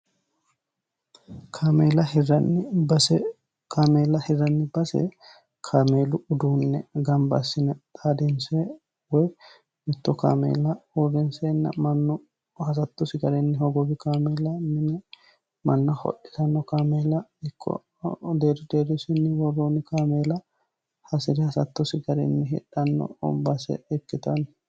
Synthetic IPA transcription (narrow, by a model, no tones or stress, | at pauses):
kʰaːmeːlɐhɪrɐnːɪbɐsɛ | kaːmeːlɐhɪrːɐnːɪbɐsɛ̰ | kʰaːmeːlʊʊd̪uːnːɛɡɐmbɐ̰sːɪnɛt̪ʼaːd̪ɪnse | wɔj | mɪt̪ːɔka̰ːmḛːlɐɔrːɛnseːnːɐ̰mɐnːɔ | hɐs̬ɐt̪ːɔsɪɡɐɾɛnːɪhɔɡɔbɪkameːlɐmɪnɛ | mɐnːɐhɔ̰ʔɪtɐnːɔkaːmeːlɐɪkʰːɔ̰ | d̪eːɾd̪eːɾɪsɪnːɪwɔrːoːnɪkaːmeːlɐ | hɐsɪɾɛhɐsɐt̪ːɔsɪɡɐɾɛ̰nːɪɦɛ̰ᶑɐnːɔ̰bɐsɛ̰ɛkːɪt̪ɐnɪ